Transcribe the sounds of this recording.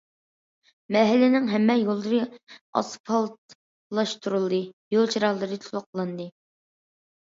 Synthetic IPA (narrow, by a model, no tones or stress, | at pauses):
mɛɦɪlːɪnɪŋɦɛmːɛjolˠdɨɾɨɑ̰spʰɑlˠt̪ | lˠɑʃt̪ʰuɾulˠd̪ɨjolˠt͡ʃʰiɾɑlˠːɨɾɨt̪ʰulˠʊqʰːlˠɨnd̪ɨ